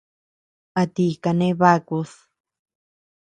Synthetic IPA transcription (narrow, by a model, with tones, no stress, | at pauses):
a˧t̪i˧ka˧nẽ˦βa˦ku˧s